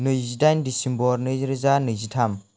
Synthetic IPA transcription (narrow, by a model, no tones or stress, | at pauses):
nɯjzidajndisimbɔɾnɯjzɾizanɯjzitʰam